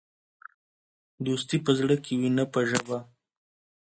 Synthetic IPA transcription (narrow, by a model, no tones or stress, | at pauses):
d̪ost̪ipəzɽəkʰewinapəʒəba